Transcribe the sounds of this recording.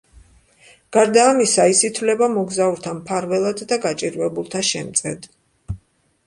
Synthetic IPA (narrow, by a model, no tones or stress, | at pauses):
ɡ̥aɾd̪aːmisaisit̪ʰvlɛbamɔɡzauɾt̪ʰampʰaɾvɛlˠad̪d̪aɡat͡ʃʼiɾvɛbulˠt̪ʰaʃɛmt̪sʼɛd̪